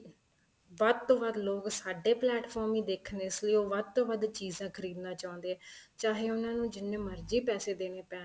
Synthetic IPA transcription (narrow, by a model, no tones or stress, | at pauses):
ʋəd̪̚t̪õːʋəd̪loːksaːɖeːplɛːʈpʰɔːɾmiːd̪eːkʰneːɪsləiːoːʋəd̪̚t̪õːʋəd̪t͡ʃiːzãːkʰəɾiːd̪nãːt͡ʃaːʊ̃nd̪eːɛːt͡ʃaːɦeːʊnãːnũːd͡ʒɪnːẽːməɾd͡ʒiːpɛːseːd̪eːneːpɛː